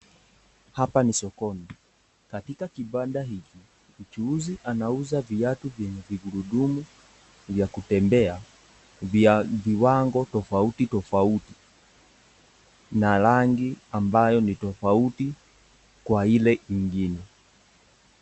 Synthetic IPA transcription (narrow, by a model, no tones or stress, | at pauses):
hapanisɔkɔnɛ | katikakiɓadaɦiki | ut͡ʃuuziʔanauzaviatuvjɛɲɛviɡuɾuɗumu | vjakutɛmbɛa | vviwaŋɡɔtɔfautitɔfauti̥ | nalaŋɡiambajɔnitɔfauti | kwailɛiŋɡinɛ